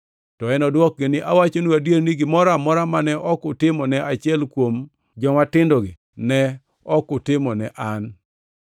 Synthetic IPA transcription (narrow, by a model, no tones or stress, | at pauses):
tɔɛnɔdwɔk̚ɡenɪʔawat͡ʃonuadjeɾnɪɡɪmɔɾamɔɾamanɛʔɔkʊtɪmɔnɛat͡ʃɪɛlkwom | d͡ʒɔmatɪndoɡi | nɛ | ɔkʊtɪmɔnɛʔan